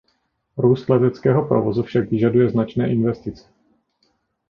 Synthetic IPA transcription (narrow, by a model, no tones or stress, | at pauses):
ɾuːst̪lɛt̪ɛt͡skɛːɦo̞pɾo̰vozufʃakvɪʒadujɛznat͡ʃnɛːʔɪnvɛst̪ɪt͡sɛ̥